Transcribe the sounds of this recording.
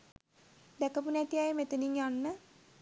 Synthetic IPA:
d̪ækəpunɛt̪iajəmet̪əniŋjanːə

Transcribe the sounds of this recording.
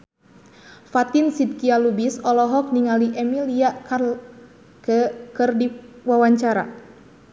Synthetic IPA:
fat̪insid̪̚kialubisɔlɔɦɔk̚niŋaliʔɛmiliaka | kəkərdiwawaɲt͡ʃaɾa̰

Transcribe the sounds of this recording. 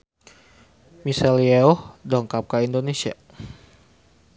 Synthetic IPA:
misalieɔhdɔŋkap̚kaindonesia̰

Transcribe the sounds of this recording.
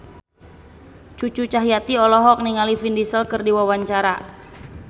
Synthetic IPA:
t͡ʃut͡ʃut͡ʃaɦijat̪iɔlɔɦɔk̚niŋalifindisəlkɨrdiwawaɲt͡ʃaɾa

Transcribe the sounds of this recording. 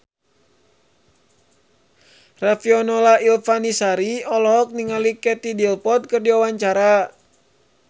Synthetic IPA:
rafiɔnɔlailfanisaɾiɔlɔɦɔk̚niŋalikɛt̪idilpɔt̪̚kɨrdiawaɲt͡ʃaɾa

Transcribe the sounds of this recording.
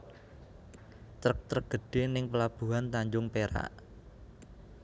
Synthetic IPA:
t̪ɾək̚t̪ɾəɡ̥ə̤ɖ̥e̤nɪŋpəlab̥ṳɦant̪aɲd͡ʒʊŋpeɾa̰ʔ

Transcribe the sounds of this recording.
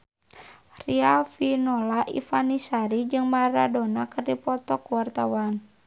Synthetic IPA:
riafinɔlaʔḭfanisaɾid͡ʒɨŋmaɾa̰dɔnakərdipɔt̪ɔkuwart̪awan

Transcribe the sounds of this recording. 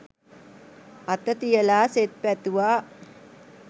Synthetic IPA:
at̪ət̪ijəlaːset̪̚pæt̪uʋaː

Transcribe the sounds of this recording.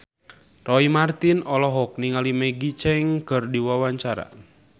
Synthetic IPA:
rɔimart̪inɔlɔɦɔk̚niŋalimɛɡit͡ʃɛŋkɨrdiwawaɲt͡ʃaɾa̰

